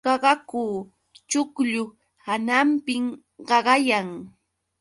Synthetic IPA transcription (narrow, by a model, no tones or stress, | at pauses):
ɑɢɑkuː | t͡ʃʊkʎʊ | hanampɪŋ | ɢɑɢɑjaŋ